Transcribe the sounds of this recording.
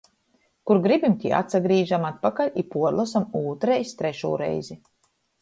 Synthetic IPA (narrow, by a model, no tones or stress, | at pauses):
kuɾɡɾibʲimt̪ʲḭa̰t̪saɡɾiːʒamat̪̚pakalʲipuɔɾlˠasamuːt̪ɾɛjst̪ɾɛʃṵːɾɛ̰jzi